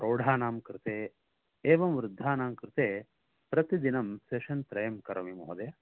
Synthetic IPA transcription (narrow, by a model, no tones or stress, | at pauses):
ɾoːɽ̤ʱaːnaːmkɾɪt̪eː | eːʋɐmʋɾud̪ʱːaːnaːmkɾɪt̪eː | pɾɐt̪id̪inɐmseʃɐnt̪ɾɐjɐmkɐɾɐmimoɦɐd̪eː